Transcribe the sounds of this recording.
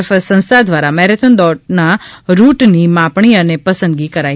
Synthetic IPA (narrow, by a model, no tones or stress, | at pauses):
fsə̃nst̪ad̪ʋaɾamɛɦɾet̪ʰənd̪ɔɖnaɾuʈnimãpɳ̃iənepəsənd̪ɡikəɾa